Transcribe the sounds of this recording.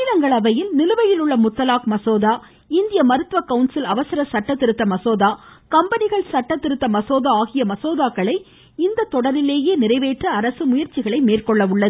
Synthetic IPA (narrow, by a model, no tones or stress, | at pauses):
ɪðɐŋɡɐɭɐʋɐjɪlnɪlɯʋɐjɪlɯɭːɐmʊt̪ːɐlaːkmɐsoːðaː | ɪnd̪ɪjɐmɐɾɯt̪ʋɐkɐʊnsɪlɐʋɐsɪɾɐsɐʈːɐt̪ːɪɾɯt̪ːɐmɐsoːðaːkɐmbɐnɪɣɐɭsɐʈːɐt̪ːɪɾɯt̪ːɐmɐsoːðaaːɣɪjɐmɐsoːðaːkːɐɭɐɪ | ɪnd̪ɐt̪ːɔɽɐɾɪleːjeːnɪɾɐɪʋeːʈrɐɐɾɐsɯmʊjɐɾt͡ʃːɪɣɐɭɐɪmeːrkɔɭːɐʋʊɭːɐð